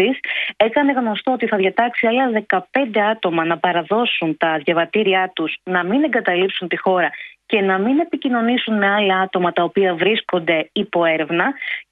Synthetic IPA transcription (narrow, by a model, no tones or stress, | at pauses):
ise̞kɐne̞ɣno̞st̪oot̪iθɐðjʝɐt̪ɐksiɐlɐðe̞kɐpe̞nd̪e̞ɐt̪o̞mɐnɐpɐɾɐðo̞sunt̪ɐðʝɐvɐt̪iɾiɐt̪uz̥nɐmine̞ŋɡɐt̪ɐlipsunt̪ixo̞ɾɐce̞nɐmine̞picino̞nisunme̞ɐlɐɐt̪o̞mɐt̪ɐopiɐvɾisko̞nd̪e̞ipo̞e̞ɾe̞vnɐ